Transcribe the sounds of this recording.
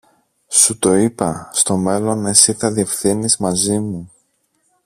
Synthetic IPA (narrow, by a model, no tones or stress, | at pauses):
sut̪o̞ipɐst̪o̞me̞lo̞nesiθɐðie̞fθinizmɐzimu